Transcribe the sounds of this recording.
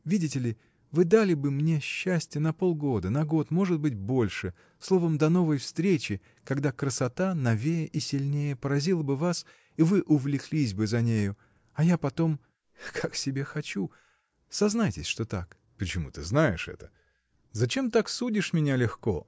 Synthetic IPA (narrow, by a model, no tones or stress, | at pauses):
vʲidʲɪtʲɪlʲɪ | vɨd̪alʲɪbɨmnʲe̞ɕːæsʲtʲɪjənɐpo̞lˠɡo̞d̪ənɐɡo̞t̪mo̞ʐɨd̪̚bɨt̚ʲbo̞lʲʂɨ | slˠo̞vəmd̪ɐno̞vəjfst̪ɾʲet͡ɕɪ | kɐɡd̪akɾəsɐt̪anɐvʲejəʔisʲɪlʲnʲejəpəɾɐzʲilˠəbɨvas | ivɨʔʊvlʲɪklʲis̬ʲbɨzɐnʲejʊ | ɐjapɐt̪o̞m | kʰaksʲɪbʲe̞xɐt͡ɕu | sɐznajtʲɪsʲʂt̪o̞t̪a̰k | pɾʲɪt͡ɕɪmṵt̪ɨznajɪʂɛ̰t̪ə̥ | zɐt͡ɕe̞mt̪aksudʲɪʂmʲɪnʲalʲɪxko̰